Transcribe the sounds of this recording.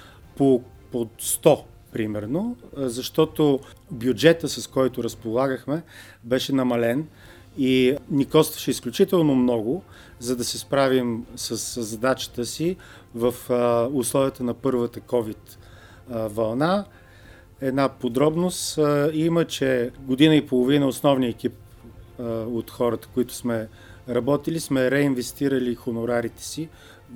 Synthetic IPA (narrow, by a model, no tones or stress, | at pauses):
po | post̪ɔ | pɾimɛɾnozɐʃt̪ɔt̪o | bjud͡ʒɛt̪əsɐskɔjt̪ʊɾəspolˠaɡəxmɛ | bɛʃɛnɐmɐlɛn | inikɔst̪və̥ʃɛisklʲʊt͡ʃit̪ɛlˠnomnɔɡʊ | zɐd̪ɐsɛspɾavimsəszɐd̪at͡ʃə̥t̪əsi | vəfʊslˠɔvʲijət̪ənɐpɤɾvət̪əkɔvit̪ | vɐlˠna | ɛd̪napod̪ɾɔbnosimət͡ʃɛɡod̪inəipolˠovinəosnɔvniɛkʲip̚ | ot̪xɔɾət̪ə̥koit̪ʊ̥smɛ | ɾɐbɔt̪ilismɛɾɛinvɛst̪iɾəlixonʊɾaɾit̪ɛ̥si